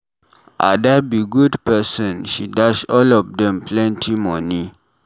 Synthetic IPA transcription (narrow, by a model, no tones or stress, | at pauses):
ʔa̰dabiɡudpɛsɔ̃nʃidaʃɔlɔfdɛ̃mplɛ̃ntʰimɔni